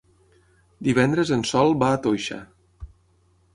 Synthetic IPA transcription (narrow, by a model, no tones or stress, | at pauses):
d̪iβ̞ɛnd̪ɾəzənsɔlˠbaːt̪ojʃa̰